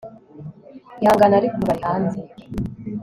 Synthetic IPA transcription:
jaːŋɡanaɾikumbahanzek

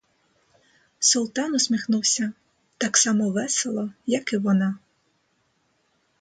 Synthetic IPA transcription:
sʊlˠt̪ɑnɔsʲmʲixnuwsʲɐ | t̪ɑksɑmɔʋɛselˠɔjɐkɪʋɔnɑ

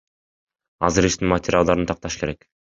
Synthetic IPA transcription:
ɑzɯɾiʃt̪inmɐtʲɪɾʲɪalˠd̪ɑɾnt̪ʰɑq̚t̪ɑʃɯ̥ke̞ɾe̞k

